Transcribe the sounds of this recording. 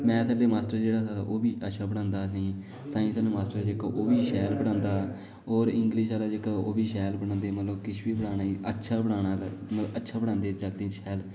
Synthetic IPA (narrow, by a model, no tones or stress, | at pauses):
mɛ̃ːsəːleːmaːsʈəɾd͡ʒeːɽaːsaːt̪a̰ʔoːbiːʔətːʃʰaːbəɽ̃ãːnd̪aːsĩː | sãːĩːsəːnũːmaːsʈəɾd͡ʒeːkaːʔoːbiːʃɛːlbəɽ̃ãːnd̪aː | oːɾɪŋɡlɪʃaːlaːd͡ʒeːkaʔoːbiːʃɛːlbəɽãːnd̪eːmət̪ləbkɪt͡ʃʰʋiːbəɽaːnaːiːətːʃʰaːbəɽaːɽaːt̪ːmələətːʃʰaːbəɽãːnd̪eːd͡ʒaɡ̚d̪ẽːt͡ʃɛːl